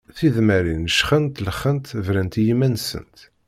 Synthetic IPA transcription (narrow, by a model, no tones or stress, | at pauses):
θiðmæɾinːəʃχənt̪ləχːənt̪vɾænt̪jimːænsə̰nt̪